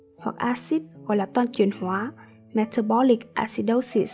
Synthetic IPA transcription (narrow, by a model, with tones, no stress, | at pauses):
hwa˨˩k̚ʔaː˧si˦˥t̚ɣɔ̰˧˩jlaː˨˩t̪waː˧nt͡ɕwi˨˩ənhwaː˨˦ | mɛ˧t̪ʰə˧bɔ˧˦li˨˩k̚ʔa̰˧si˧˥t̚ɗə˧wsḭ˧˨